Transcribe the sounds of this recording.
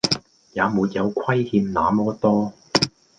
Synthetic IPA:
jaː˨˧muː˨˧t̚jɐ˨˧wkʷʰwɐ˥jhiː˧mnaː˨˧mɔː˥t̪ɔː˥

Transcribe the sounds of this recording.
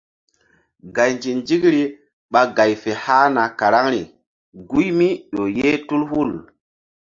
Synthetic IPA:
ɡa˨jnd͡ʒi˨nd͡ʒi˦kɾi˦ | ɓa˦ɡa˨jfe˨haː˦na˨ka˨ɾa˦ŋɾi˨ | ɡu˦jmi˦ɗo˨je˦tu˦lhu˦˨l

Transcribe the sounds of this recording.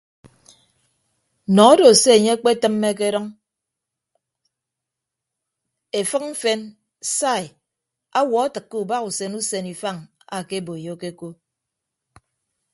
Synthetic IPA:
nɔ˨ɔ˦do˨se˦e˨ɲe˦a˦k͡pe˦tɨ˦mːe˦k̬e˦ɾɔ˦ŋ | e˨fɨ˦km̩˦fe˦n | sa˦˨i˨ | a˦wɔ˨a˦tɨ˨kːe˦u˨ba˦ku˨se˦nu˦se˨ni˨fa˦˨ŋ | a˨ke˦bo˨e˨jo˦ke˦ko˦

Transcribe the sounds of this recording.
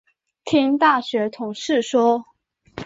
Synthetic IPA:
t̪ʰi˥ŋt̪a˥˩ɕɥɛ˧˥t̪ʰʊ˨˧˥ŋʂɻ̩˥˩ʂwɔ˥

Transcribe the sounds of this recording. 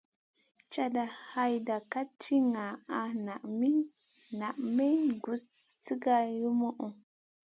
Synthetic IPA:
t͡ʃa˦da˨ha˦jda˨ka˦tʰi˦ŋa˨a˨na˨ʔmi˦ | na˨ʔme˦nɡu˨s | t͡si˦ɡa˨ju˦mo˦ʔu˨

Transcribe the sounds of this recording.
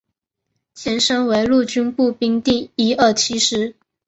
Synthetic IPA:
t͡ɕʰjɛ˧˥nʂɤ˥ŋwe˧˥ɪlu˥˩t͡ɕy˥npu˥˩pi˥ŋt̪i˥˩ŋi˥ə˥˩t͡ɕʰi˥ʂɻ̩˥

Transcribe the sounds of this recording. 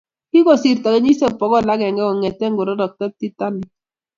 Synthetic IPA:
ki˦kɔ˨si˨rta˨kɛ˦ɲi˦sɛ˦pɔ˨kɔ˦˨la˦kɛ˨ŋɡɛ˦kɔ˨ŋɛ˨tɛ˦ŋɡʊ˨ɾɔ˦dɔ˨k̚tɛ˦ti˦ta˦ni˨

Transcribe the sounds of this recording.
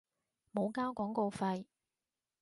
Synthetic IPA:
mo˨˧wkaː˥wkɔː˨˥ŋko˧wfɐ˧j

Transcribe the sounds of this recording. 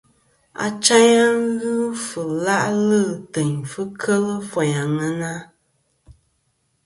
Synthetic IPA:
a̰˨t͡ʃa˦ɲa˦ŋ˦ɣɨ˦fɨ˨la˦ʔlɨ˦˨tɛ˨ɲfɨ˦kʰə˦lə˦fɔ˨ɲa˨ŋa˦na˦

